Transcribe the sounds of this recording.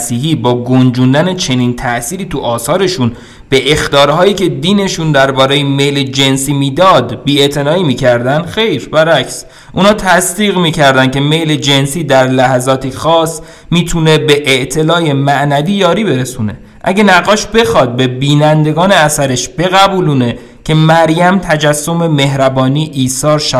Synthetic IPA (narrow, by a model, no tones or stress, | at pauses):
siːɦiːbɒːɡond͡ʒuːnd̪æne̞t͡ʃʰe̞niːnt̪ʰæʔsiːɾiːt̪ʰuʔɒːsɒːɾe̞ʃun | b̥e̞ʔext̪ɒːɾɦɒːjiːcʰe̞d̪iːne̞ʃund̪æɾbɒːɾejeme̞jled͡ʒe̞nsiːmiːd̪ɒːd̪biːet̪ʰe̞nɒːiːmiːcʰæɾd̪ænxe̞jɾbæɾæcs | ʔuːnhɒːt̪ʰæsd̪iːɣmiːcʰæɾd̪ænd̪cʰe̞mejled͡ʒe̞nsiːd̪æɾlæɦæzɒːt̪ʰixɒːs | miːt̪ʰune̞be̞ʔeʔt̪ʰe̞lɒːje̞mæʔnæviːjɒːɾiːbe̞ɾesune̞̰ | ʔæ̰ɟe̞næɣɒːʃbe̞xɒːd̪̚be̞biːnænd̪e̞ɡɒːneæsæɾeʃb̥e̞ɣæbuːluːne̞ | cʰe̞mæɾjæmt̪ʰæd͡ʒæsːome̞me̞ɦɾæbɒːniːʔiːsɒːɾʃæ